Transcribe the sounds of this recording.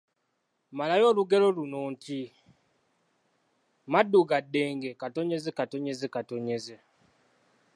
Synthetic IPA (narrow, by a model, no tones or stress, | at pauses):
malajo̞ːluɡelo̞lunoːnti | madːuɡadːeːŋɡekato̞ɲe̞zekato̞ɲezekato̞ɲeze